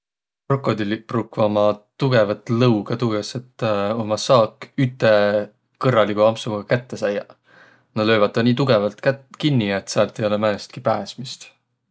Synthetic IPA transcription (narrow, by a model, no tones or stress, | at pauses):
pro̞kːˑo̞d̪iliprukvɑmɑt̪uɡ̥e̞vɑt̪lɤwɡ̥ɑt̪uɡeset̪ːomɑsɑːkyt̪ːˑe̞ | kɤrːɑlikuɑmsuɡɑkæt̪ːe̞sæjɑ | nɑlø̞ːvɑt̪ːɑniːt̪̬uɡ̥evɑlt̪kæt̪kinːiet̪ːsɑlt̪ːˑejo̞lemænest̪̚kipæːsmist̪